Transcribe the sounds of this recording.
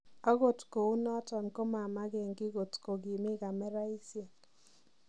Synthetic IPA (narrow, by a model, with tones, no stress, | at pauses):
ɔ˦ɣo˨tko˨u˦nɔ˦tɔ˨nko˦ma˨ma˦ɡɛ˨ŋɡɪ˦ɡo˨tko˨ɡi˨mɪ˦ɡa˨mɛ˦ɾa˦i˦sja˨k